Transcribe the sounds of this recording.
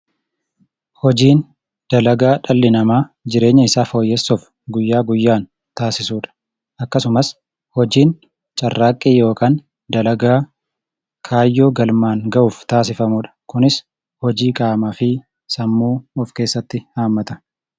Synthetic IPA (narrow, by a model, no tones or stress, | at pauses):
hɔd͡ʒiːn | d̪̥ɐlɐɡaːᶑɐlːɪnɐmaːd͡ʒɪɾe̞ːɲːɐɪsaːfo̞ːjːɛsːɔf | ɡʊjːaːɡʊjːaːn | t̪aːsɪsuːᶑɐ̥ | ʔɐkːɐsʊmɐs | hɔd͡ʒiːn | t͡ʃʼɐrːaːkʼːiːjo̞ːkʰaːn | d̪ɐlɐɡaː | kʰaːjːoːɡɐlmaːŋɡɐʔuːft̪aːsɪfɐmuːᶑɐ̥kʊnɪs | hɔd͡ʒiːkʼaːmaːfɪ | sɐmːuːɔfke̞ːsːɐt̪ːɪhaːmːɐt̪ɐ̥